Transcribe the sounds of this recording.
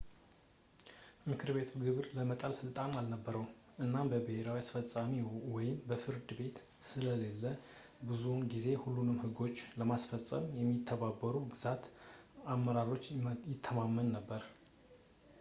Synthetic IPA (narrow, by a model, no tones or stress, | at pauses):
mɨkʰɨɾbe̞t̪ʰuɡɨβɾləmət̪ʼalsɨlt̪ʼanalnəbːəɾəw | ʔɨnːabəbɨheɾawiasfəsʼːamiwɔjɪmbəfɨɾd̪ɨbe̞t̪ | sɨləle̞lːə | bɨzunɡize̞hulːunɨmhɨɡo̞t͡ʃːləmasfəsʼə̰mjɛmːit̪ʰːəβabəɾuɡɨz̥at̪amːəɾaɾo̞t͡ʃːjɪt̪ʰːəmamːənːəbːəɾ